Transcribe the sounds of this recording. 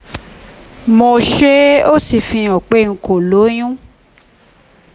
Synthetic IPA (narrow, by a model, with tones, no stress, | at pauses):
mo˧ʃe˦o˦si˨fĩ˧ɔ˨k͡pe˦ŋ̩˧ko˨lo˨˦j̃ũ˦